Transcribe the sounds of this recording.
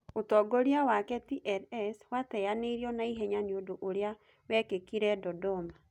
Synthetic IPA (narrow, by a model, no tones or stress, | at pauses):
otɔɡɔɾiawakɛtiʔɛɾɛswatɛjaneɾiɔnaiɦɛɲanjodoʔoɾea | wɛkekiɾɛdɔdɔma